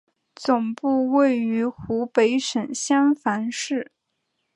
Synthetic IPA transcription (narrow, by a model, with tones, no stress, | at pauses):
t͡sʊ˨˩ŋpu˥˧we˥˩ɪy˧˥xu˧˥pe˧˥ɪʂə˨˩nɕjɑ˥ŋfa˧˥nʂɻ̩˥˩